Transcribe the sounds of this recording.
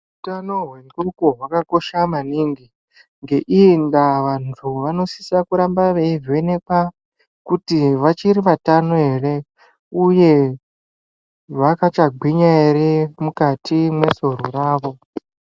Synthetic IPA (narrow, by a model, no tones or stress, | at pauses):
utano̞ɦwe̞ndukoɦwakako̞ʃamaniŋɡi | ŋɡe̞ʔindaʋantʰuʋano̞si̥sakuɾambaʋeive̞neka | kutiʋat͡ʃiɾiʋatanoɦe̞re̞ | uje̞ | ʋakat͡ʃaɡ͡bʱiɲaeɾemukatʰimwe̞so̞ɾoɾaːʋo̞